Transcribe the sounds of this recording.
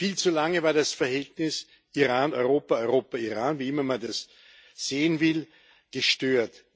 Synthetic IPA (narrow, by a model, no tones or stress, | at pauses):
fiːlt͡sulaŋəvaːɐdasfɛɐhɛltnɪs | ʔiʁaːnɔʏʁoːpɐɔʏʁoːpɐiʁaːnviːɪmɐmandas | z̥eːənvɪl | ɡ̥əʃtøːɐt